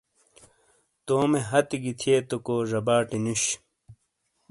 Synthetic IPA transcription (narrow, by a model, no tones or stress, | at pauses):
t̪oːmeɦɐt̪iɡit̪ʰiet̪okoːʐɐbaːʈinuɕ